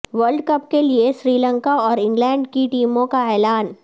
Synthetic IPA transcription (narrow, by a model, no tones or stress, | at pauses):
ʋəɾɖkɐp̚kelieʃɾiːlə̃ŋkaɔːɾɪ̃ŋɡlɛ̃ːɳɖkiʈiːmõkaɛːlaːn